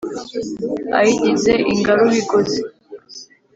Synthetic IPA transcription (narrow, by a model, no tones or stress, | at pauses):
a̰jiɟizeʔiŋɡaɾoβiɡozi